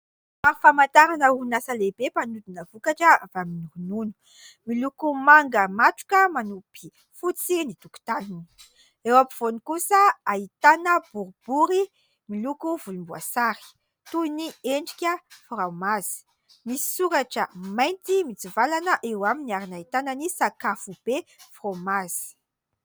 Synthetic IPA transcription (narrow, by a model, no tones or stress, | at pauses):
afamant̪aɾanəunasəlebepanud̪inəvukaʈ͡ʂəav̥aminuɾununu̥ | milukumaŋɡəmaʈ͡ʂu̥kʲəmanupi̥ | fut͡sinit̪uku̥t̪anini̥ | ewapiv̥onikusəait̪anəb̥uɾub̥uɾi | milukuvulumbua̰saɾi̥ | t̪uinieɳɖ͡ʐikʲəframazi̥ | misi̥suɾaʈ͡ʂə̰majnt̪imit͡sivalanəʔewaminiaɾinait̪ananisakafub̥efromazi̥